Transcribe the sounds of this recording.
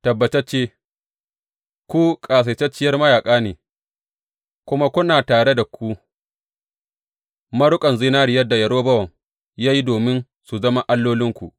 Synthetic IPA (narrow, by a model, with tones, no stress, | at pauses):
tɐ˨bːɐ˨t͡ʃɐ˦t͡ʃeː˦ | kʷu˦kʼaː˨s̬e˨t͡ʃɛ˦t͡ʃːɪ˦jɐ˦rmɐ˦jaː˨kʼaː˦neː˨ | kʷʊ˦ma˦kʷʊ˦naː˨taː˨ɽe˦da˨kʷu˦ | mɐ˦ɽʊ˦kʼɐ˨nzi˦naː˦ɾɪ˨jɐ˦dːa˨jɐ˨ɽoː˦bɐ˦wɐ˨ŋ | jaː˦ji˦doː˨mɪ˦n | su˨zɐ˦ma˦ʔa˦lːoː˦lɪ˦ŋkʷu˨ʔ